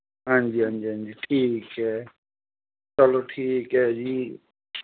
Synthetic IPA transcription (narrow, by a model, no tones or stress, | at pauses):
ɦãnd͡ʒiːãnd͡ʒiːãnd͡ʒiːʈʰiːkɦɛː | səloʈʰiːkɦɛːd͡ʒiː